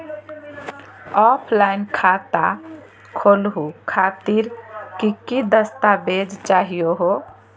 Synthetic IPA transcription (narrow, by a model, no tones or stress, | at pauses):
ɔpʰlaɪnkʰat̪a | kʰoːlɦukʰaːt̪iɾkikid̪əst̪abed͡ʒt͡ʃaːɦijoɦo